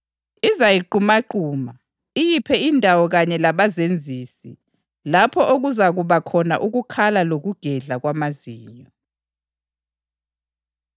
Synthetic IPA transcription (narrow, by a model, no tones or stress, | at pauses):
izajiǃumaǃuːma | ijipʰɛindʱawɔɣaɲɛlaβazend͡zʱiːsḭ | lapʰɔʔoɣuzaɣuβakʰɔnaʔuɣukʰalaloɣuɡ̥ʱɛɮaɣwamaziːɲɔ